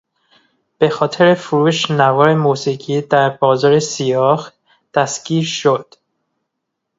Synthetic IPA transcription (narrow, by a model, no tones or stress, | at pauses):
b̥e̞xɒːt̪ʰe̞ɾefuɾuːʃnævɒːɾe̞musiɡiːd̪æɾbɒːzɒːɾesijɒːx | d̪̥æsɡiːɾʃod̪̥